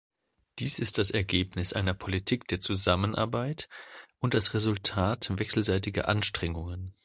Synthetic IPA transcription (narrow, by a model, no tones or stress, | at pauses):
d̥iːsɪst̚d̥asɛɐɡeːpnɪsʔaɪnɐpʰolitʰiːkd̥eːɐt͡suzamənʔa̰ɐbaɪtʔʊnt̚d̥asʁɛzʊltʰaːtvɛksl̩zaɪtɪɡɐ̰ʔanʃtʁ̥ɛŋʊŋən